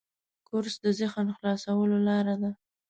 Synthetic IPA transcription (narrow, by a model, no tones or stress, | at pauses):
kʊɾsd̪əzəxanxlɑsawəlolɑɾad̪a